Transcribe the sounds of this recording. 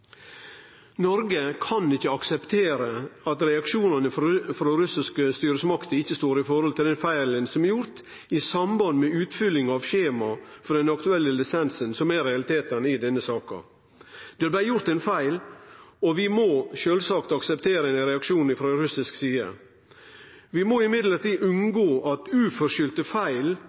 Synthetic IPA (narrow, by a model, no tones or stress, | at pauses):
nɔɾɡəkʰɑnɪçːəɑksɛpt̪ʰeːɾəɑt̪ɾɛɑkʃuːnɑnəffɾɔɾʉsɪskəst̪yːɾəsmɑkt̪əɪçːəst̪oːɾɪfɔɾhɔlt̪ʰɪld̪ɛnfæɪlənsɔmæɾjʊɾt̪ | ɪsɑmbɑnd̪mɛʉːt̪fʏlːɪŋɑʋçeːmɑfɔɾd̪ɛnɑkt̪ʉɛlːəlɪsɛnsənsɔmæɾɛɑlɪt̪ʰeːt̪ənɪd̪ɛnːəsɑːkɑ̰ | d̪̥ɛæb̪æjʊɾt̪ɛnfæɪlɔʋɪmoʃøːlsɑkt̪ɑksɛpt̪ʰeːɾənɾɛɑkʂuːnɪfɾɔɾʉsɪsksiːə̰ | ʋɪmoːɪmɪd̪ləɾt̪iːʔʉnɡoːʔɑt̪ʉːfɔɾʂʏlt̪əfæɪl